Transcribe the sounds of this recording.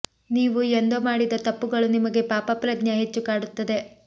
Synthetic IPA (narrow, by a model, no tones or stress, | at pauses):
niːʋuend̪omaːɽid̪ɐt̪ɐpːuɡɐɭunimɐɡe̞paːpɐpɾɐdɲɐɦet͡ʃːukaːɽut̪ːɐd̪e̞